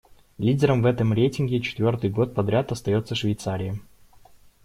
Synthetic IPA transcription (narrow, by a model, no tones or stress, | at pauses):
lʲidʲɪɾəmvɛt̪əmɾʲejtʲɪnɡʲɪt͡ɕɪ̥t̪vʲo̞rt̪ɨjɡo̞t̪̚pɐd̪ɾʲat̪ɐst̪ɐjo̞t̪sːəʂvʲɪjt̪saɾʲɪjə